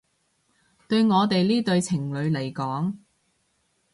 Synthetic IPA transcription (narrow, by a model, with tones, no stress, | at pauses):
t̪ɵ˧ɥŋɔː˨˧t̪̬e˨jliː˥t̪ɵ˧ɥt͡sʰɪ˨˩ŋlɵ˨˧ɥle˨˩jkɔː˨˥ŋ